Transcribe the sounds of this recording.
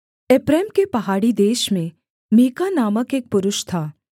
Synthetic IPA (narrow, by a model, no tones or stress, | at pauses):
eːpɾɛeːmkepɐɦaːɽid̪eːʃmẽ | miːkanaːməkeːk̚pʊɾʊʃt̪ʰaː